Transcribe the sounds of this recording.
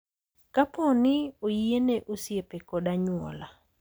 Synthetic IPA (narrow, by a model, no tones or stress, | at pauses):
kapɔnɪojieneʔosjepekɔdaɲʊɔ̰la